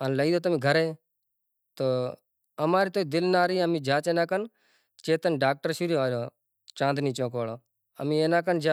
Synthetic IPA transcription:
ənləiːd̪oːt̪əmĩːɡʱəɾẽː | t̪oː | əmaːɾiːt̪oːiːd̪ɪlnaːɾiːəmiːd͡ʒaːt͡ʃẽːnaːkən | t͡ʃeːt̪ənɖaːk̚ʈəɾʃuɾjoaːɾoː | t͡ʃãːnd̪niːt͡ʃõːkʋaːloː | ə̰mĩːeːnãːkənd͡ʒa

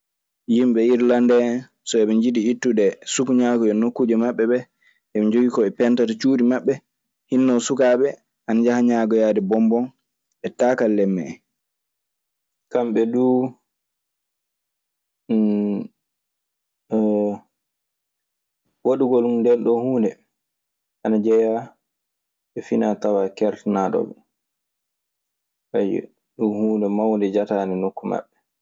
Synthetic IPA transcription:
jimɓɛiɾlandɛ | sɔɛɓɛɲd͡ʒiɗiːtːudɛsukuɲaɡɔjɛnokːud͡ʒɛmaɓːɛɓɛ | ʔɛmɛd͡ʒoɡikɔɛpɛntatat͡ʃuːdimaɓːɛ | hinːɔwsukaɓɛ | ʔand͡ʒahaɲaɡɔjadɛbɔmbɔn | ɛtakalːɛmːɛ̰ | kamɓɛdu | woɗuɡolumndɛnɗɔhuːndɛ | ʔanad͡ʒɛja | ɓɛfinatawakɛɾtnaɗɔ̰bɛ̰ | ʔaj̰ | ɗunhuːndɛmawndɛd͡ʒataːnɛnokːuma̰ɓːɛ

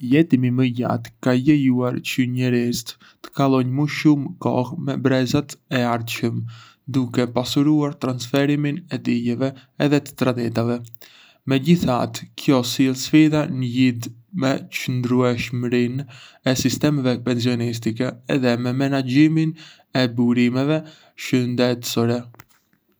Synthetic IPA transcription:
jɛt̪imiməja̰t̪kajɛjuaɾt͡ʃəɲɛɾist̪ | t̪ə̥kalˠɔɲməʃumkɔ̰hmɛbɾɛzat̪ɛaɾt̪ʃəm | d̪ukɛpasuɾuaɾt̪ɾansfɛɾiminɛd̪ijɛvɛɛðɛt̪ə̥t̪ɾad̪ɛt̪avɛ | mɛɟiθa̰t̪kʰjɔsilˠsfiðanəjid̪mɛt͡ʃənd̪ɾuɛʃmɾinɛsist̪ɛmɛvɛpɛns̬iɔnis̬t̪ikɛːðɛmɛmɛnad͡ʑimin | ɛbuɾimɛvɛ | ʃənd̪ɛt̪sɔɾɛ

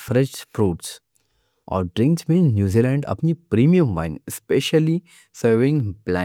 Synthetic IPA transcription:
fɾɛ̃t͡ʃpɾoːʈs | ʔɔ̰ːɾɖɾɪ̃ŋksmẽːnnjuːziːlɛ̃ɳɖɐ̰pnipɾiːmiə̃mʋã̰ɪ̃nɪspeʃəli | səɾʋɪ̃ŋɡplã

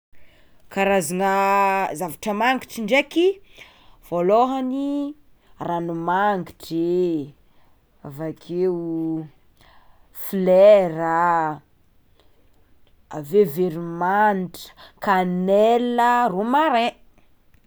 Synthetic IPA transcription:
kaɾazaŋəzavaʈ͡ʂəmaŋɡiʈ͡ʂiɳɖ͡ʐeki | v̥oloɦani | ranumaŋɡiʈ͡ʂe | avakʰeu | flɛɾa | a̰veveɾimanʈ͡ʂə̥kanɛləromaɾẽ

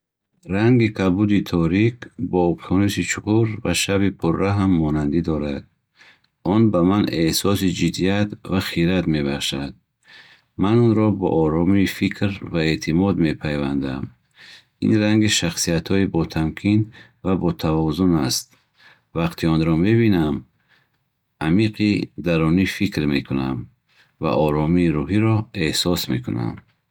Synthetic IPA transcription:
ɾaŋɡikʰabud̪it̪ʰɔɾikbɔɔpt̪ʰɔnisit͡ʃʰuquɾvaʃabipʰuɾːaɦamːɔnand̪id̪ɔɾad̪̥̚ | ɔnbamanehsɔsid͡ʒid̪ijat̪vaχiɾat̪me̞baχʃad̪̥̚ | manɔnɾɔbɔ̰ʔːɾɔmiːfikʰɾvaet̪ʰimɔd̪me̞pʰajva̰nd̪a̰m | ḭnɾaŋɡiʃaχsiat̪hɔibɔt̪ʰamkʰin | vabɔt̪ʰavɔzunast̪̚ | vaqt̪ʰiɔnɾɔme̞binam | amiqʰid̪aɾɔnifikɾme̞kʰuna̰m | va̰ʔɔɾɔmiːɾuɦiɾɔe̞hsɔsme̞̰kʰuna̰m

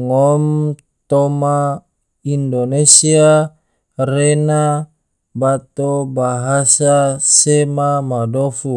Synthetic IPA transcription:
ŋɔm | t̪ɔma | indonesia | rena | bat̪obaɦasasemamadofu

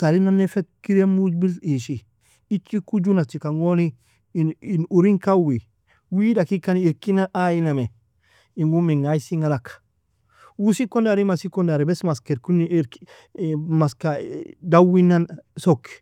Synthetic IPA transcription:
taɾinanːefekiɾemud͡ʒbiliʃi | it͡ʃːikud͡ʒunat͡ʃikaŋoni | nːnuɾiŋkawi | widakikaniiɾkinaʔajiname | iŋɡumiŋaisiŋalakḁ | wusikondaɾimasikondaɾibɛsmaskeɾkuniɾk | maskadawinansok

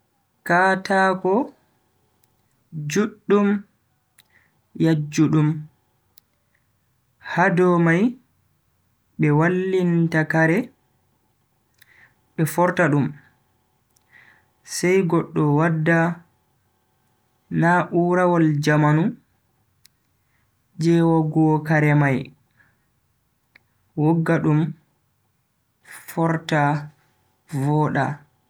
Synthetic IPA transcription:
kaːtakɔ | d͡ʒuɗːum | jad͡ʒːuɗum | hadɔmaj | ɓɛwalːintakaɾɛ | ɓɛfɔɾtaɗum | sɛjɡɔɗːɔwadːa | naʔuɾawɔld͡ʒamanu | d͡ʒɛːwaɡɔkaɾɛmaj | wɔɡːaɗum | fɔɾta | vɔɗa

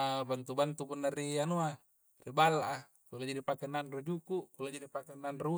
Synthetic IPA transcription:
bant̪ubant̪upunːarianua | ribalːaʔa | kulad͡ʒadipakenanrud͡ʒukukulod͡ʒadipakɛnanru

